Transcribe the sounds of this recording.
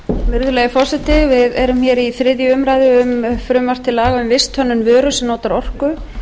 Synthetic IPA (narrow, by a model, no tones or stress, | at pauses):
vɪɾðʏlɛɣɪfɔr̥sɛt̪ɪvɪðɛɾʏmçjɛɾiθɾɪðjʏʏmɾajðɪʏmfɾʏmvar̥t̪ʰːɪlaːɣaʏmvɪst̪ʰœnːʏnvœːɾʏsɛmnoːwt̪aɾɔr̥kʏ